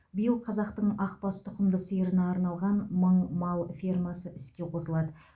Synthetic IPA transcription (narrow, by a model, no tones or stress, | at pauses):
bijəlˠqʰɑzɑqt̪əɴɑq̚pɑst̪ʰʊqəmd̪əsəjəɾənɑːɾnɑlˠʁɑnməɴmɑlˠfʲirmasəʔɪskʲe̞qʰo̞səlˠɑd̪ə